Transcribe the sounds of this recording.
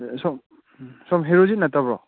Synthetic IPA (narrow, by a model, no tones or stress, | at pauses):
sɔm | sɔmɦeɾozinɐtabɾɔ